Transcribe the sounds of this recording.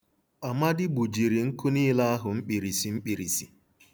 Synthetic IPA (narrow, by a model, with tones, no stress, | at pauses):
a˨ma˦dɪ˦bu˨d͡ʒi˨ɾi˨ŋ̩˦kʊ˦ni˦la˦a˦ɦʊ˨ŋ͡m̩˦k͡pi˨ɾi˨si˨m̩˦k͡pi˨ɾi˨si˨